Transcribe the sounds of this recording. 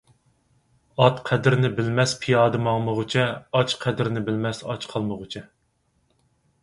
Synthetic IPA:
ɑt̪qʰæd̪ɪɾnɪbɪlmɛspʰijɑːd̪ɨmɑŋməʁʊt͡ʃʰɛɑt͡ʃqʰæd̪ɪɾnɪbɪlmɛsɑ̰t͡ʃqʰɑlˠməʁʊt͡ʃʰɛ

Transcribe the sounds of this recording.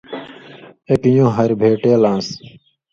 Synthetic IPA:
ekijõːɦɐɾbʱeːʈeːlãːs

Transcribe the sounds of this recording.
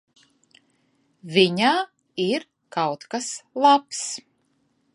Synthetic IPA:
vʲiɲaː | iɾ | kawt̪kaslˠaps

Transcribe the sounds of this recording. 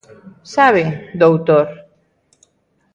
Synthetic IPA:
saβed̪owt̪oɾ

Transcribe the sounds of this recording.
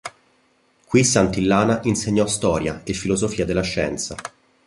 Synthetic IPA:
kwisːant̪ilːaːnaʔinseɲːɔst̪ɔːɾjaefːilozofiːad̪elːaʃːɛ̰nt̪sa̰

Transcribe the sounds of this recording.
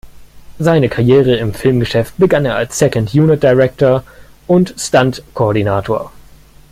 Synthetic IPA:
zaɪnəkʰaʁjeːʁ̞əɪmfɪlmɡəʃɛft̚b̥əɡaneːɐalsːɛkəntjuːnɪt̚d̥aɪʁɛk̚toɐ | ʔʊntstantkʰooːɐdinaːtʰoːɐ

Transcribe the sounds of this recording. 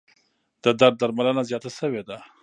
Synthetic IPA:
d̪̥əd̪aɾd̪̚ːaɾmalənazjɑt̪asəwed̪a

